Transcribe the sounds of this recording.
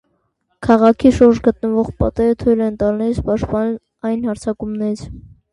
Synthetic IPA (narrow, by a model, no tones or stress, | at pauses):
kʰɑʁɑkʰiʃuɾd͡ʒɡət̪nəvɔʁpɑ̰t̪ɛɾət̪ʰujlɛnt̪ɑlnɛɾit͡spɑʃt̪̚pɑnu | ɑjnhɑɾt͡sʰɑkumnɛɾit͡sʰ